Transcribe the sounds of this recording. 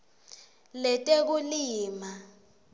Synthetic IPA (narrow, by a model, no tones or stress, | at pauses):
lɛtʼek̬uliːma